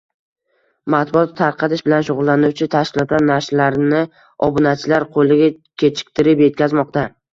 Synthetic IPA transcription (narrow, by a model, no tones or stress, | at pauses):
mat̪bʊɒt̪ʰːaɾqʰɑt̪ɪʃbɪlanʃʊʁʊlˠːanʊwt͡ʃʰɪt̪ʰaʃkʲɪlˠɒt̪laɾnaɾʃlaɾnɪ | ɒbʊnat͡ʃʰɪlaɾqʰolɪɡʲakʲʰe̞t͡ʃʰɪ̥k̚ʲt̪ʰɪɾɪpje̞t̪̚kʲʰazmɒq̚t̪a